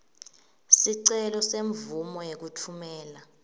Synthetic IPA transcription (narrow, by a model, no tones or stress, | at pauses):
siǀɛlɔseɱvumɔjek̬utʰumɛːla